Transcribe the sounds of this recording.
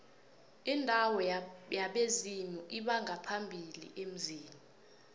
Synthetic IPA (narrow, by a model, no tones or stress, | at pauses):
indʱawɔjaɓezimuʔiɓaŋʱapʰambʱilḭʔem̩ziːmu